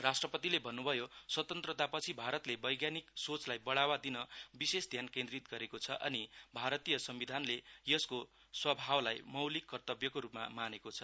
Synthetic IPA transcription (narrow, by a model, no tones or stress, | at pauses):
rasʈrʌpʌt̪ilebʱʌnːubʱʌjoswʌt̪ʌnt̪rʌt̪apʌt͡sʰibʱaɾʌt̪lebʌjɡjaniksot͡slajbʌɽawad̪inʌbisesd̪ʱjankẽnd̪rit̪ɡʌɾekot͡sʰʌʔʌnibʱaɾʌt̪ijʌsʌmbid̪ʱanlejʌsko | swʌbʱawlajmʌwlikːʌrt̪ʌbjʌkoɾupma̰manekot͡sʰʌ